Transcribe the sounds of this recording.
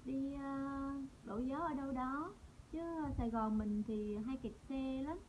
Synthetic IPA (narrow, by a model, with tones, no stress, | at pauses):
ɗi˧əː˧ɗo̰˧˩jzə˨˦ʔəː˧˩ɗə˧wɗɔ˨˦t͡ɕɨ˨˦˨saː˧˩jɣɔ˨˩nmï˨˩ŋ̟t̪ʰi˨˩ɦaː˧jki˨˩t̚sɛ˧la˨˦m